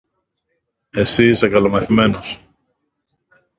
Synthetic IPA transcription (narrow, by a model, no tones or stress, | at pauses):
e̞siisðekɐlo̞mɐθime̞nos